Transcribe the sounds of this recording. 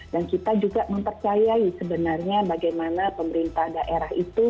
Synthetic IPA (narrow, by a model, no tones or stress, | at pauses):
dankit̪ad͡ʒuɡaʔməmpərt͡ʃajaisəbənarɲabaɡajmanapəməɾint̪ahdaʔeɾaɦit̪u